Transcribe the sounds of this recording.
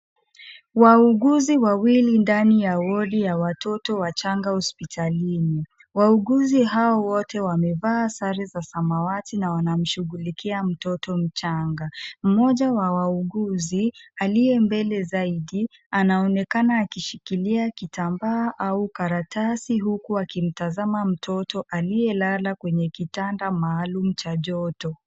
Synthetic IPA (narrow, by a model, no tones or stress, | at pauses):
wauɠuziwawilindanijawɔɗijawatʰɔtɔwat͡ʃaŋɡahɔspitʰalini | wauɠuziɦaɔwɔtʰɛwamɛvasaɾizasamawatinawanam̩ʃuɡulikʰiam̩tɔtɔm̩t͡ʃaŋɡam̩mɔʄawawauɠuzialijɛmbɛlɛzaiɗi | anaɔnɛkanaːkiʃikiliakitambaːʔaukaɾatʰasiɦukuakim̩tazamam̩tʰɔtɔʔalijɛlalakwɛɲɛkitandamaːlum̩t͡ʃaʄɔtɔ